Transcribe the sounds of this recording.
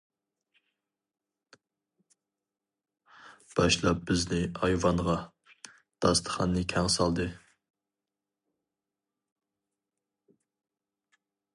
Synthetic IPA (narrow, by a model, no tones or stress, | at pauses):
b̥ɑʃlˠɑp̚bɪznɪɑjvɑɴʁɑ | d̪̥ɑst̪ʰə̥χɑ̰nːɨkʲʰɛŋsɑlˠd̪ɨ